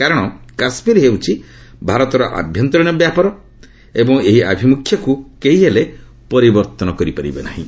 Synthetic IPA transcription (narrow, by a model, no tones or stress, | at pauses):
kaɾɔɽ̃ɔkasmiɾɦewt͡ʃʰi | bʱaɾɔt̪ɔɾɔʔa̰bʱjɔnt̪ɾɔɽ̃jɔbjapaɾɔ | ebɔŋeɦia̰bʱimukʰjɔkukeɦiɦele | pɔɾibɔɾt̪ɔnɔkɔɾipaɾibena̰ɦḭ̃